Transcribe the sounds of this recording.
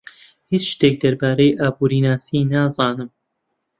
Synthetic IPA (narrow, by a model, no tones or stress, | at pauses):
hiːt͡ʃʃt̪eːk̚d̪ɐɾbaːɾejʔaːbuːɾiːnaːsiːnaːzɑːnɨm